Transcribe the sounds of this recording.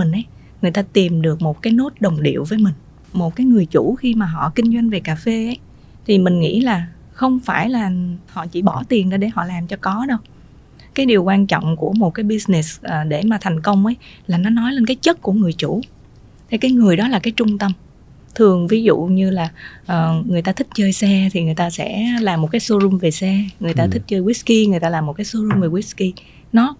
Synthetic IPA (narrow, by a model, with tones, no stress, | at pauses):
ï˨˩ŋ̟ʔə˨˦j | ŋɨ˨˩əjt̪aː˧t̪i˨˩mɗɨ˨˩ək̚mo˨˩t̚kaː˨˦jno˦˥t̚ɗə˨˩wŋ͡mɗḭ˧˨əwvəː˨˦jmï˨˩ŋ̟ | mo˨˩t̚kaː˨˦jŋɨ˨˩əjt͡ɕu˧˩˥xi˧maː˨˩ɦɔ̰˧˨kï˧ŋ̟zwa˧jŋ̟ve˨˩kaː˨˩fe˧ʔə˨˦j | t̪ʰi˨˩mï˨˩ŋ̟ŋḭ˧˥laː˨˩ | xə˧wŋ͡mfaː˧˩jlaː˨˩hɔ̰˧˨t͡ɕi˧˩ɓɔ˧˩t̪i˨˩ənɗə˧˦ɗe˧˩hɔ̰˧˨laː˨˩mt͡ɕɔ˧kɔ˨˦ɗə˧w | kaː˨˦jɗi˨˩wkwaː˧nt͡ɕɔ̰˧˨wŋ͡mku˧˩əmo˨˩t̚kaː˨˦jɓi˧sne˨˩sʔəː˨˩ɗe˧˩maː˨˩t̪ʰa˨˩jŋ̟kə˧wŋ͡mʔə˨˦jlaː˨˩nɔ˨˦nɔ˨˦jle˧nkaː˨˦jt͡ɕə˦˥t̚ku˧˩əŋɨ˨˩əjt͡ɕṵ˧˩˨ | t̪ʰe˨˩kaː˨˦jŋɨ˨˩əjɗɔ˨˦laː˨˩kaː˨˦jt͡ɕʊ˧ŋ͡mt̪ə˧m | t̪ʰɨ˨˩əŋvi˨˦zṵ˧˨ɲɨ˧laː˨˩ʔəː˨˩ŋɨ˨˩əjt̪aː˧t̪ʰï˦˥k̚t͡ɕəː˧jsɛ˧t̪ʰi˨˩ŋɨ˨˩əjt̪aː˧sɛ̰˧˥laː˨˩mːo˨˩t̚kaː˨˦jso˧zu˧mve˨˩sɛ˧ŋɨ˨˩əjt̪aː˧t̪ʰï˦˥k̚t͡ɕəː˧jwi˦˥ski˧ŋ˨˩əjt̪aː˧laː˨˩mːo˨˩t̚kaː˨˦so˧zu˧mve˨˩wi˦˥ski˧ | nɔ˨˦